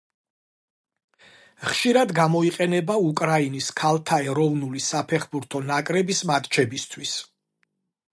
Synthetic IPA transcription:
χʃiɾad̪ɡamɔiqʼɛnɛbaukʼɾainiskʰalˠt̪ʰaɛɾɔvnulisapʰɛχbuɾt̪ʰɔnakʼɾɛbismat̪ʼt͡ʃʰɛbist̪ʰwis

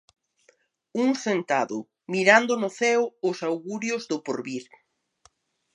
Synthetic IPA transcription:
uŋsent̪aðʊ̰ | miɾand̪ʊnʊθɛwʊsawɣuɾjʊzðʊpoɾβiɾ

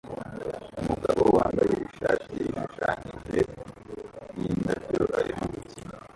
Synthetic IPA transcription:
umuɡaβo̞waːmbajeβuʃaːʃimuʃaːɲiʒe | nindavjoʔaɾimoβutima

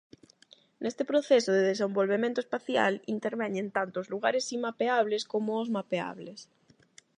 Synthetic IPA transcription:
nʔest̪epɾoθesoðeðesembolβemẽnt̪oespaθja̰lint̪eɾβɛɲẽnt̪ant̪oozluɣaɾesimːapeaβ̞leskomoːzmapea̰βles

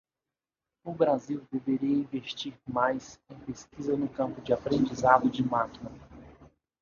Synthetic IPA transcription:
ʊbɾaziwd̪eveɾiɐĩveʃt͡ʃiɾmajsẽj̃peskizɐnʊkɐ̃mpʊd͡ʒɪapɾẽnd͡ʒizad̪ʊd͡ʒɪmakinɐ

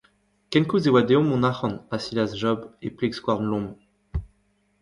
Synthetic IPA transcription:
kɛnkuzewad̪eɔ̃mɔ̃naχɑ̃nasilasʒɔbeplɛkskwaʁnlɔ̃m

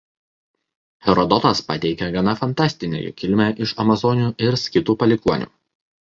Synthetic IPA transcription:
hʲɛɾɔd̪ɔt̪ɐspɐt̪ʲɛɪkʲɛɡɐnɐfɐnt̪ɑːˑsʲt̪ʲɪnʲḛːjṵkʲɪlʲmʲæʔɪʃɐmɐzɔnʲuːʔɪɾsʲkʲɪt̪uːpɐlʲɪkuɔnʲṵː

